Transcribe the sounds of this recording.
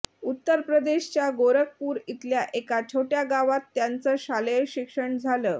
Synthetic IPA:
ut̪ːəɾpɾəd̪eɕt͡ɕjaɡoɾək̚puːɾit̪ljaʔekat͡ɕʰoʈjaɡaʋat̪ːjant͡səːɕalejɕikʂəɳd͡zʱaləː

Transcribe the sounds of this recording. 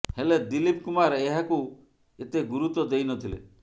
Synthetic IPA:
heled̪ilip̚kumaɾeɦaku | et̪eɡuɾut̪ɔd̪ejnɔt̪ʰilḛ

